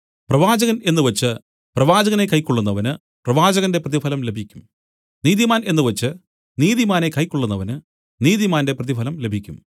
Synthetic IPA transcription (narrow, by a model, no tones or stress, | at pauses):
prɐʋaːd͡ʑɐɣɐne̞nːɨʋɐt͡ɕːɨ | prɐʋaːd͡ʑɐɣɐne̞kɐjkːoɭːunːɐʋɐnɨ | prɐʋaːd͡ʑɐɣɐnde̞prɐðifɐlɐmle̞bʱikʲːum | niːðimaːne̞nːɨʋɐt͡ɕːɨ | niːðimaːne̞kɐjkːoɭːunːɐʋɐnɨ | niːðimaːnde̞prɐðifɐlɐmle̞bʱikʲːum